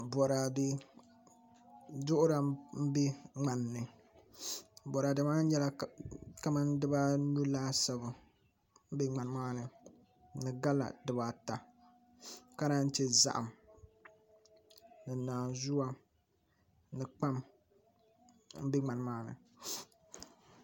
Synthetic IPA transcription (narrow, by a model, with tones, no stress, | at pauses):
bɔ˨ɾa˨dɪ˦ | dʊ˦ʔʊ˦ɾa˨m̩˦be˦ŋ͡ma˨nːɨ˨ | bɔ˨ɾa˨dɨ˨ma˦ɲɛ˦la˦ka˦ma˦ndɨ˦ba˦nu˦laː˦sa˦bɨ˨ | m̩˦be˦ŋ͡ma˨n˦maː˦nɨ˨ | nɨ˨ɡa˦la̰˨dɨ˨ba˨ta˨ | ka˦ɾa˦n̩˦te˦za̰˦ʔa˨m | nɨ˨naː˨zu˦wa˦ | nɨ˨k͡pa˦m | m̩˦be˦ŋ͡ma˨n˦maː˦nɨ̰˨